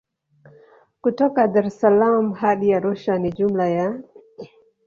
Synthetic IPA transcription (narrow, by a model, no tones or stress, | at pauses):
kutɔkadaɾɛsalamuhaɗijaɾuʃaniʄum̩laja